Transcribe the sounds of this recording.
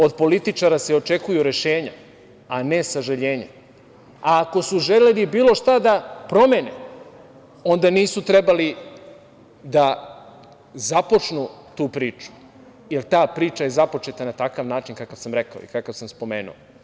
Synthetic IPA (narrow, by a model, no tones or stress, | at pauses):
o̞d̪po̞lit̪it͡ʃaɾaseo̞t͡ʃe̞kujuɾeʃeːɲa | ane̞saʒaʎeːɲa | aːko̞suʒelelibiːlˠo̞ʃt̪ad̪apɾo̞meːne | o̞nd̪aniːsut̪ɾebali | d̪a | zapo̞t͡ʃnut̪uːpɾiːt͡ʃu̥ | jelt̪aːpɾiːt͡ʃaje̞zapo̞t͡ʃet̪anat̪akaʋnaːt͡ʃinkakaʋsamɾe̞kaoḭkakaʋsamspo̞meːnṵo